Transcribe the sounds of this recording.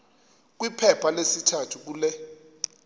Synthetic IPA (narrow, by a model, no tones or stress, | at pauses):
k̬wipʰɛpʰalesitʰatʰuk̬uːlɛ